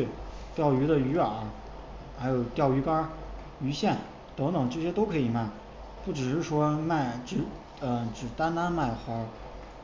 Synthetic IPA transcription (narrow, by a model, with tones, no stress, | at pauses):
y˥˩t̪jɑ˥˩ʊy˧˥d̪ə˧y˧˥ə˞˨˩˥ | xa˧˥ɪjo˨˩ʊt̪jɑ˥˩ʊy˧˥kɐ˥ | y˧˥ɕjɛ˥˩n | t̪ɤ˧˥ŋt̪ɤ˨˩ŋʈ͡ʂɤ˥˩ɕjɛ˥t̪o˥ʊkʰɤ˧˥i˨˩ma˥˩ɪ | pu˥˩ʈ͡ʂɻ̩˨˩ʂɻ̩˥˩ʂwɔ˥ma˥˩ɪʈ͡ʂɻ̩˨˩ | ə˧ʈ͡ʂɻ̩˨˩t̪a˥nt̪a˥nma˥˩ɪxa˧˥